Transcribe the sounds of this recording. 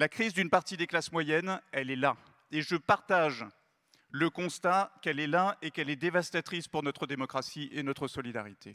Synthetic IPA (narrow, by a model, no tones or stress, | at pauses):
lakχizd̪ynpaʁt̪id̪eklasmwajɛnɛlɛla | eʒəpaʁt̪aʒ | ləkɔ̃st̪akɛlɛlaekɛlɛd̪evast̪at̪χispuʁnɔt̪χəd̪emɔkχasiʔenɔt̪χəsɔlid̪a̰ʁit̪ʰe